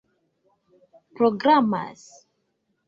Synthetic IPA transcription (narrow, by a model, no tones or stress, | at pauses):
pɾoɡɾama̰s